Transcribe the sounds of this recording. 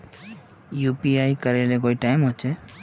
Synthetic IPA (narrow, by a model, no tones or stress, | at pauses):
juːpiaikəɾelekoːiʈaɪmɦot͡ʃʰe